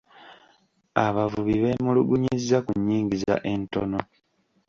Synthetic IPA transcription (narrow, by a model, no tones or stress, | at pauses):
aβavuβiβe̞ːmuluɡuɲizːakuɲːiːŋɟiza̰ʔe̞nto̞no̞